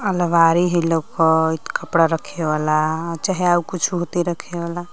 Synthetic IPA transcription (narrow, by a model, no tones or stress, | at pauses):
əlʋaɾiɦelokɔt̪kəpɽaɾəkʰeʋalat͡ʃaɦiaukut͡ʃʰuɦot̪iɾəkʰebala